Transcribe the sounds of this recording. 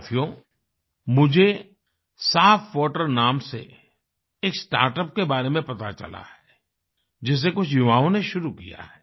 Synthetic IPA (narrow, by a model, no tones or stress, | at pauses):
t̪ʰijõ | mʊd͡ʒʱe | saːfʰʋɔːʈəɾnaːmsḛ | eːksʈa̰ːɾʈəp̚kebaːɾemẽpɐt̪at͡ʃɐ̰la̰hɛː | d͡ʒɪs̬ːek̬ʊt͡ʃʰjʊʋaːõneʃʊɾukija̰ɦɛː